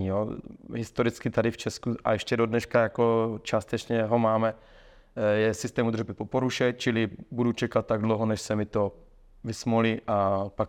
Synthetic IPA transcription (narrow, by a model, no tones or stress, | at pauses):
ijoɦɪst̪oɾɪt͡skɪt̪adɪft͡ʃɛskuʔa̰jɛʃcɛdodnɛʃkajakot͡ʃaːst̪ɛt͡ʃɲɛɦomaːmɛ | jɛsɪst̪ɛːmud̪rbɪpopoɾuʃɛt̚t͡ʃɪlɪbudut͡ʃɛkat̪̚ːaɡdlowɦonɛʃsɛmɪt̪o | vɪsmolɪʔapak